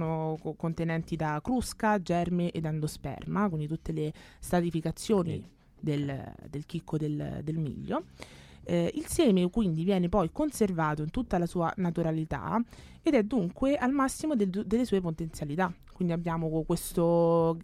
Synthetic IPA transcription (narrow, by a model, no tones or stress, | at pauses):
nokont̪enɛnt̪id̪akɾuskad͡ʒɛrmeʔed̪ːand̪ospɛ̰rmakwind̪it̪ut̪ːelest̪at̪ifikat̪sːjoːnḭ | d̪eld̪elk̟ikːod̪eld̪elmḭʎːo | ilsjɛːmekwind̪ivjɛːnepɔjkonservaːt̪oint̪ut̪ːalasuːa̰nat̪uɾalit̪a̰ | ed̪ɛd̪ːuŋkweʔalmasːimod̪d̪elːesuːepot̪ent̪sjalit̪akwind̪iabːjaːmokwest̪o